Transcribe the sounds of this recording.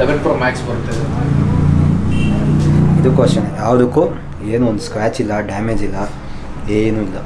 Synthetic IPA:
eʋelpɾomaːkspɐɾut̪ːed | id̪ukʋɐʂɐnjaːʋɐd̪uku | eːnuond̪uskɾaːt͡ʃilːɐɖaːmeːd͡ʒilːa | eːnuilːa

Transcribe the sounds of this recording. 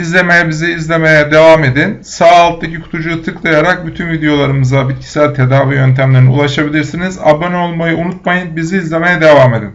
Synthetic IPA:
izlʲe̞mejɛbiziiːzlʲe̞me̞jɛd̪e̞vaːme̞d̪insaːlˠt̪̚ʰːacʰikʰu̥t̪ʰud͡ʒut̪ʰɯklˠajaɾak̚byt̪ʰynvid̪ejo̞lˠaɾɯmɯzabit̪̚cʰi̥sælʲt̪ʰe̞d̪aːvijø̞nt̪ʰæmlʲeɾniṵlˠaʃabilʲiɾsiniza̰bonolˠmajɯunut̪̚majɯnbiziːzlʲe̞me̞jɛd̪e̞vame̞d̪ḭn

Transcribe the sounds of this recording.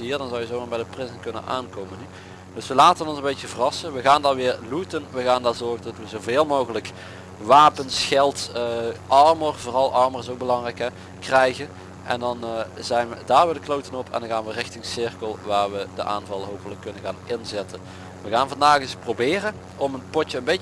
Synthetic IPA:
ɦiːɹdɑnzɑwjəzowmaːɹbɛjdəprɪzənkɵnə̰nʔa̰ːnkowməny | dɵsʋəlaːtənɔnzənbejtəvərɑsəʋəɣaːndɑnʋɪːɹlutənʋəɣaːndaːɹzɔɹɣəndɑtʋəzowveːlˠmoːwɣələk | ʋaːpənsxɛlˠtəʔɑɹmərvoːrɑlˠʔɑɹmərɪsowk̚bəlɑŋrɛjkɛ | krɛjɣən | ʔɛ̰ndɑnzɛjnʋədaːɹʋədəklowtənɔpʰɛ̰ndɑnɣaːnʋərɪxtɪŋsɪrkəlˠʋaːɹʋədə̰ʔa̰ːnvɑlˠɦowpələkːɵnənɣaːnɪnzɛtən | ʋəɣaːnvɑndaːɣɪsprowbɪːrə | ɔmənpɔtəənbej

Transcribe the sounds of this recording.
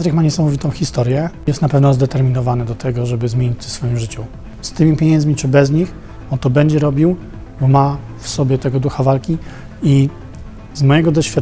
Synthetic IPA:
ɾɘkmaɲɛsamɔvʲit̪ɔ̃w̃xʲist̪ɔɾjɛjɛst̪napɛvnɔzd̪ɛt̪ɛɾmʲinɔvanɛd̪ɔt̪ʰɛɡɔʐɛbɘzmʲeɲit͡ɕt̪ɛsfɔjimʐɘt͡ɕu | st̪ɘmʲipʲjɛɲɛ̃nd̪zmʲit͡ʂɘbɛzɲix | ɔnt̪ɔbɛɲd͡ʑɛɾɔbʲiw | bɔma | fsɔbʲjɛt̪ɛɡɔd̪uxavalkʲi | i | zmɔjɛɡɔd̪ɔɕfʲat̪

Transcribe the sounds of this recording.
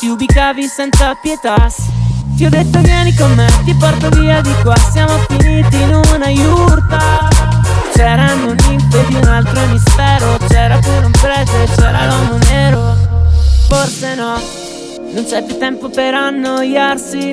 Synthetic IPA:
t̪iubikaːvisɛnt̪sapjet̪ast̪iɔd̪ːet̪ːovjɛːnikomːet̪ipɔrt̪oviːad̪ikwasjaːmofiniːt̪iːnunajurt̪a | t͡ʃɛːɾanunimped̪iunalt̪ɾomisfɛːɾot͡ʃɛːɾapuɾeumpɾɛːt̪et͡ʃɛːɾa̰lɔmonɛːɾo | forsenɔ | nunt͡ʃɛt̪et̪ɛmpopeɾanːojːarsi

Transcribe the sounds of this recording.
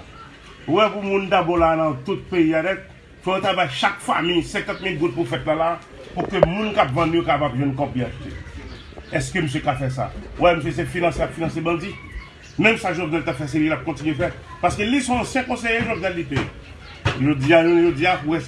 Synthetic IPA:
wɛpumũnd̪abɔ̃lanɐ̃t̪ut̪̚peiaɾɛt̚ | fɔõt̪abajʃakfa̰mijsɛ̃kãt̪̚milɡut̪̚pufɛt̪lala | pukømũnkapvãnũjokapabʒwɛ̃nkɔ̃pliaʒut̪ḛ | ɛskøməs̬jekafɛs̬a̰wɛməs̬jes̬efinɑ̃seapfinãsebãd͡zi | mɛ̃msaʒɔbnɛlt̪apfɛs̬elilap̚kɔ̃tinɥefɛ | paskelisɔ̃ɑ̃sjɛ̃kɔ̃sejeʒɔbnɛlːite | ʒod͡ziaoʒod͡ziapuwɛ

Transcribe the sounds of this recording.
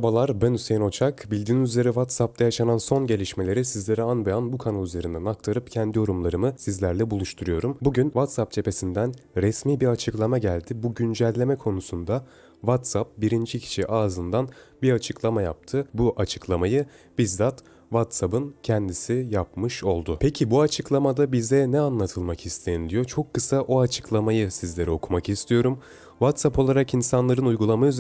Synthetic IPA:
balˠaɾbænysejno̞t͡ʃʰakbilʲd̪iːnyzlʲe̞ɾivat̪sap̚t̪ʰajaʃananso̞nɟe̞lʲiʃme̞lʲe̞ɾisizlʲe̞ɾianbeanbukʰanalˠyze̞ɾind̪ænak̚t̪ʰaɾɯpcʰɛnd̪ijo̞ɾumlˠaɾɯmɯsizlʲæɾlʲɛbulˠuʃt̪ʰuɾujo̞ɾumbuɟynvat̪sap̚d͡ʒʰe̞pʰe̞sind̪ænɾɛsmiːbiɾat͡ʃʰɯklˠamaɟælʲd̪ibuɟynd͡ʒælʲlʲːe̞mɛkʰo̞nusund̪a | vat̪sap̚biɾind͡ʒicʰi̥ʃiʔaːzɯnd̪anbiɾat͡ʃʰɯklˠamaja̰p̚t̪ʰɯbuʔat͡ʃʰɯ̥klˠamajɯb̥izd̪at̪ | vat̪sabɯncʰɛnd̪isijap̚mɯʃo̞lˠd̪ʊpʰecʰibuat͡ʃʰɯklˠamad̪abizd̪ɛnɛanlˠat̪ʰɯlˠmakʰist̪ʰe̞jind̪ijo̞t͡ʃʰo̞kːɯsaʔoat͡ʃʰɯ̥klˠamajɯsizlʲe̞ɾɛo̞kʰumakist̪ʰijo̞ɾum | vat̪sapo̞lˠaɾakinsanlˠaɾɯnujɡulˠamayz

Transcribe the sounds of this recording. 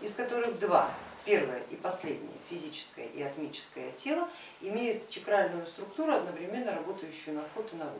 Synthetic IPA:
ɪskɐt̪o̞ɾɨɣd̪va̰pʲe̞rvəjə̰ʔipɐsʲlʲedʲnʲɪ̰jə̰fʲɪzʲit͡ɕɪ̥skə̰jə̰ʔɪɐt̪mʲit͡ɕɪ̥skəjə̰tʲelˠə | ɪmʲejʊt̪t͡ɕʲɪkɾalʲnʊjʊst̪ɾʊkt̪uɾʊɐd̪nəvɾʲɪmʲe̞nːəɾɐbo̞t̪əjʉɕːʊjʊnɐfot̪ɨnɐɾṵ

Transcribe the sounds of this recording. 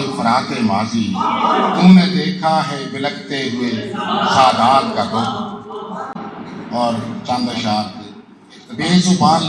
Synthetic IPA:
ifʰəɾaːt̪eːmaːziːt̪ʊmnẽːd̪eːkʰaːɦɛːbɪləɡ̚t̪eɦʊeːsaːd̪aːlkaːd̪ʊd̪ | ɔːɾt͡ʃə̃nd̪ɾʃaːlː | beːzubaːn

